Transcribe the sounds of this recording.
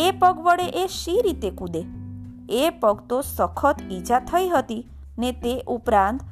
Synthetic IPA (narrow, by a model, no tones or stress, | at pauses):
epəɡbəɽeʔeʃiɾit̪ekud̪e | epəɡt̪osəkʰət̪id͡ʒat̪ʰəjɦət̪i | net̪eʔupɾãnt̪